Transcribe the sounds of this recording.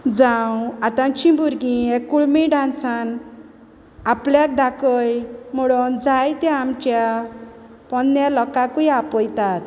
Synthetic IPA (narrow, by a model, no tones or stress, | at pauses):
d͡zãwat̪ãnt͡ɕĩbuɾɡĩekːuɭmiɖãnsan | apljak̚d̪akɔjmɔɽɔnd͡zajt̪ɛ̃amt͡ɕja | pɔnːjalɔkakujapɔjt̪at̪